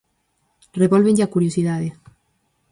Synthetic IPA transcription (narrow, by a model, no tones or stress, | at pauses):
reβolβeɲʎakuɾjosiðaðe